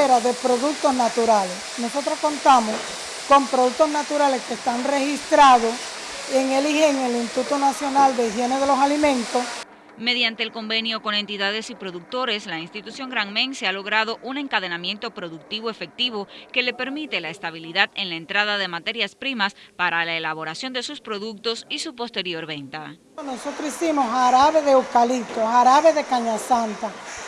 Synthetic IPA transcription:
eɾaðe̞pɾo̞ðuk̚t̪osnat̪uɾalesno̞so̞t̪ɾosko̞nt̪amos | ko̞mpɾo̞ðuk̚t̪o̞snat̪uɾale̞skest̪aŋre̞hist̪ɾaðos | eŋeliheŋelint̪ut̪onasjo̞nald̪eiɦje̞neðe̞lo̞salimẽ̞nt̪os | me̞ðjant̪e̞ːlko̞mbe̞njo̞ko̞ne̞nt̪iðaðe̞sipɾo̞ðuk̚t̪o̞ɾe̞slainst̪it̪usjo̞ŋɡɾaŋmẽ̞ŋsealo̞ɣ̞ɾað̞o̞ʔune̞ŋkaðe̞namje̞nt̪o̞pɾo̞ðuk̚t̪iβo̞e̞fe̞k̚t̪iβo̞ke̞le̞pe̞ɾmit̪e̞laest̪aβ̞iliðaðe̞nlaent̪ɾaðaðe̞mat̪e̞ɾjaspɾimaspaɾalaelaβo̞ɾasjo̞nd̪e̞suspɾo̞ðuk̚t̪o̞sisupo̞st̪e̞ɾjo̞ɾβe̞nt̪a | nosot̪ɾoisimosaɾaβe̞ðeukalit̪osaɾaβeðe̞kaɲasant̪a

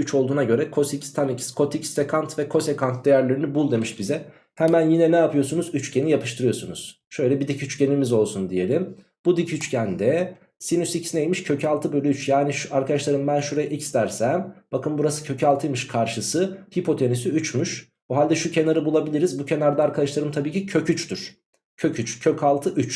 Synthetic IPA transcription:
yt͡ʃʰolˠd̪uːnaɟø̞ɾɛkʰo̞sicst̪ʰanicskʰo̞t̪ʰicsekʰant̪vɛkʰo̞sekant̪̚d̪e̞jæɾlʲeɾinibulˠd̪e̞miʃbizɛ | hɛmænjinɛnɛapʰɯjo̞sunuzyt͡ʃcʰe̞nijapʰɯ̥ʃt̪ʰɯɾɯjo̞sunuz̥ | ʃø̞jlʲɛbid̪icʰyt͡ʃce̞nimizo̞lˠsund̪ije̞lʲim | b̥ud̪icʰyt͡ʃcʰænd̪ɛ | sinysicʰi̥sinejmiʃcʰø̞cʰalˠt̪ʰɯbøjlʲɛyt͡ʃjaːniʃaɾkʰad̪aʃlˠaɾɯmbænʃuɾajaʔicst̪æɾsæmb̥akʰɯnbuɾasɯ̥cʰø̞cʰalˠt̪ʰɯjmɯʃkʰaɾʃɯsɯhipʰo̞t̪ʰenisiyt͡ʃmyʃ | oɦalʲd̪ɛʃucʰe̞naɾɯbulˠabilʲiɾizbucʰe̞naɾd̪aːɾkʰad̪aʃlˠaɾɯmt̪ʰabiːcʰicʰø̞cʰyt͡ʃt̪yɾ̥ | cʰø̞cʰyt͡ʃcʰø̞cʰalˠt̪ʰɯʔyt͡ʃ

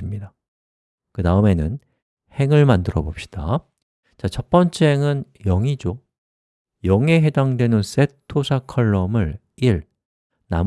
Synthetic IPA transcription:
mɲida | kɯtaɯme̞nɯn | he̞ŋɯɭmandɯɾʌbop̚ɕ͈i̥d̥a | t͡ɕat͡ɕʰʌp͈ʌnt͡ɕʰeŋɯn | jʌŋid͡ʑo | jʌŋe̞ɦe̞daŋdwe̞nɯns͈e̞tʰːosʰakʰʌɭːʌmɯɭ | iɭ | na̰m

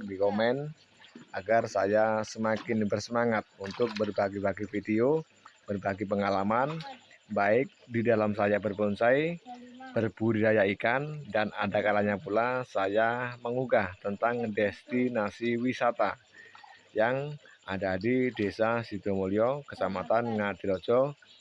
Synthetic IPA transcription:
dikomɛn | aɡarsajasəmakɪnbərsəmaŋat̪̚unt̪ʊk̚bərbaɡibaɡifidio | b̥ərbaɡip̬əŋalamanbaɪk̚didalamsajabərbonsajb̥ərb̥uɾajaikandana̰dakalaɲapulasajaməŋuɡaht̪ənt̪aŋdɛst̪inasiwisat̪a | jaŋʔadadidesasit̪omoliɔkət͡ʃamat̪anŋadiɾod͡ʒɔ

